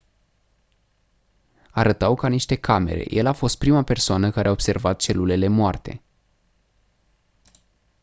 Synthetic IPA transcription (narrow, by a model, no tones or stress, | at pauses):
aɾət̪awkaniʃt̪e̞kʰame̞̰ɾe̞̰je̞lafo̞st̪̚pɾimape̞rsoanəkaɾeaob̥se̞rvat̪̚t͡ʃe̞lule̞le̞moart̪e̞̰